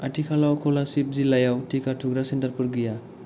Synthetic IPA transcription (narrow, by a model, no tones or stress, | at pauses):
aʈʰikʰalawkʰolasip̚zilajawʈʰikaʈʰuɡɾasentarpurɡija